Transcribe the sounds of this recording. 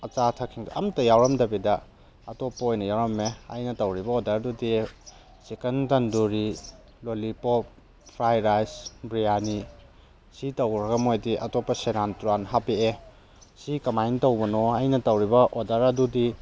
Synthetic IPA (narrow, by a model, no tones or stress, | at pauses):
ɐt͡ʃatʰakʰiŋduɐmtɐjawɾɐmdɐbidɐ | ɐtopːɐojnɐjawɾɐmeɐ̰jnɐtɐwɾibɐodɐɾdudi | sikentɐnduɾi | lolipop̚ | pʰɾajɾajsbɾijani | sitɐwɾɐɡɐmojdiʔɐ̰topːɐsenantuɾanɦapie | sikɐmajntɐwbɐnoɐjnɐtɐwɾibɐʔodɐɾɐdudi